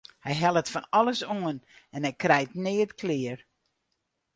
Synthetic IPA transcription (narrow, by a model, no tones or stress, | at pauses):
hɛjɦɛlˠətfɔnɔləsoənɛnɛjkrɛjtnɪːətkʰlɪːər